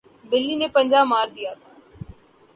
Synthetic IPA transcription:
bɪlːinepə̃nd͡ʒaːbmːaːɾd̪ijat̪ʰaː

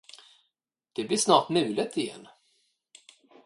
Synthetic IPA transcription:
d̪̥ɛblɪʂnɑːʈnʉ̟ːlət̪ʰɪjɛ̰nː

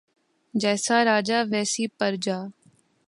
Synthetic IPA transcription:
d͡ʒɛːsaːɾaːd͡ʒaːʋɛːsiːpəɾd͡ʒaː

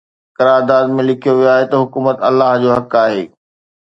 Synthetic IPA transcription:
kɐɾaːɾd̪aːd̪mẽlɪkʰijoʋijoaːɦet̪ɐɦʊkuːmət̪ɐlːaːɦd͡ʑoːɦɐkaːɦeː

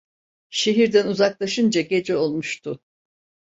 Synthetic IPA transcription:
ʃe̞ɦiɾd̪ænuzaklˠaʃɯnd͡ʒaɟe̞d͡ʒɛo̞lˠmuʃt̪ʰʊ

